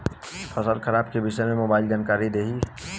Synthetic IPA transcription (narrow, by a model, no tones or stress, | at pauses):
pʰəsəɾkʰəɾaːbkebɪʃəjmẽmobaːɪlɡaːnkaːɾid̪eːɦi